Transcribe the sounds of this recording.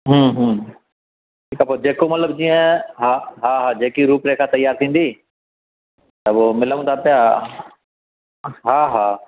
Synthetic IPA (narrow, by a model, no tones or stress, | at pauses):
ɦũːɦː | ʈʰiːkapod͡ʒeːkomɐt̪ləbd͡ʒiːə̃ɦaɦaːɦaːd͡ʑeːkiɾuːpɾeːkʰãt̪ɐɪjːaːɾt̪ʰĩːnd̪iː | t̪əʋoːmɪləʋũt̪ʰaːpɪjaː | ɦaːɦaː